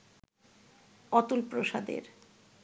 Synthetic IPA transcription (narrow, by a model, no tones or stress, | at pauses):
ɔt̪ulpɾoʃad̪ḛɾ